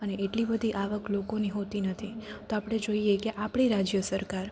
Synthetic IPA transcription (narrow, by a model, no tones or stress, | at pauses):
əneeʈlibəd̪ʱiʔaʋəklokoniɦot̪inət̪ʰit̪oapɽ̃ed͡ʒoiekeʔapɽ̃iɾad͡ʒjəsəɾkaɾ